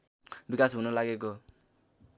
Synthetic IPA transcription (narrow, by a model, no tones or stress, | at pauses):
bikasɦunʌlaɡeko